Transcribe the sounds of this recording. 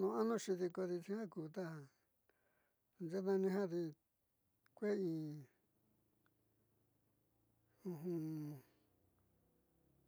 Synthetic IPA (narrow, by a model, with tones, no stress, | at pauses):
nũ˧a˦nũ˦ʃi˧ði˧ko˧ði˧t͡ʃĩ˧hã˦kuː˨t̪a˦ã˧ | nd͡ʒe˦nã˧nĩ˧ɦã˦ði˧ | kʷe˦ĩː˧ | ũ˧ɦũ˧